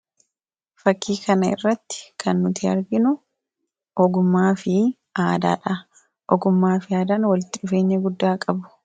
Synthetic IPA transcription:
fɐkːiːkʰɐnɐɪ̰rːɐt̪ːɪ̥kʰɐnːʊt̪ʰɪɐ̰ɾɡɪnʊ | ʔɔɡʊmːaːfɪ | aːd̪a̰ːᶑɐ | ʔɔɡʊmːaːfɪaːd̪aːnwɐlɪt̪ːɪᶑʊfe̞ːɲːɐɡʊd̪ːaːkʼɐbʊ̥

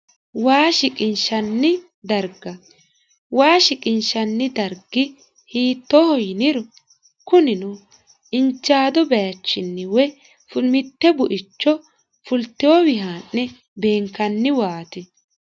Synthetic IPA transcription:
waːʃɪkʼɪnʃɐnːɪ | d̪ɐɾɡɐ | waːʃɪkʼɪnʃɐnːɪd̪ɐɾɡɪ | hiːt̪ːoːhɔjɪnɪɾɔ | kʊnɪnu | ɪnt͡ʃːaːd̪ɔbɛjɐt͡ʃːɪnːɪwɛ | fʊmɪt̪ːɛbʊʔɪt͡ʃːɔ | fʊlt̪ːɪwɔwɪɦaːnːɛ | be̞ːŋkːɐnːɪwaːt̪ɪ

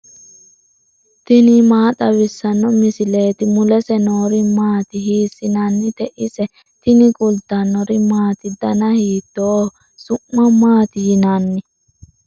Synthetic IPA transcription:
t̪ɪnɪmaːt̪ɐwɪsːɐnːɔmɪsɪleːt̪ɪmʊlɛsɛnoːɾɪmaːt̪ɪhiːsɪnɐnːɪt̪ɛʔɪsɛ | t̪ɪnɪkʼʊld̪ɐnːɔɾɪmaːt̪ɪd̪ɐnɐhiːt̪ːo | sʊʔːɐmaːt̪ɪjɪnanːɪ

